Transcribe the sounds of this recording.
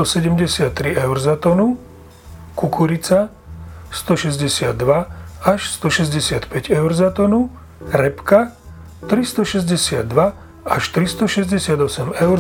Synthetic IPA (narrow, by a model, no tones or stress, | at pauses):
ɔsɛɟɛmɟɛsɪat̪ːɾiɛʊɾzat̪ɔnu | kukuɾit͡sa | st̪ɔʃɛzɟɛsɪad̪ːʋaaʃst̪ɔʃɛzɟɛsɪat̪pɛɟɛʊɾzat̪ɔnu | ɾɛpka | t̪ɾist̪ɔʃɛzɟɛsɪad̪ːʋa | aʃt̪ɾist̪ɔʃɛzɟɛsɪad̪ɔsɛmɛʊɾ